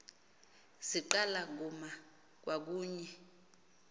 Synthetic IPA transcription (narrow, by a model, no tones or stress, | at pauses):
ziǃalak̬uma | k̬wʔak̬uːɲɛ